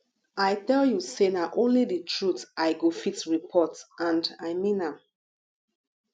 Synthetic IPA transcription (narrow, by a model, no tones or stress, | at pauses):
ajtɛljusenaʔõnliditʰɹutʔaɪɡofitɹipʰɔtãndaɪmĩnãm